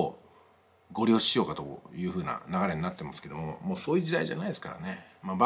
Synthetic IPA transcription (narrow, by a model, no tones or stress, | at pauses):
ɡo̞ɾʲjo̞ːɕiijo̞ːkat̪o̞jɯ̟ːɸɯ̟ːna̰naɡaɾe̞ɲnat̪ːe̞masɨ̥ke̞d̪o̞momo̞ːso̞ːjɯ̟ːd͡ʑid̪aiʑa̰naid̪esɨ̥kaɾa̰ne̞maba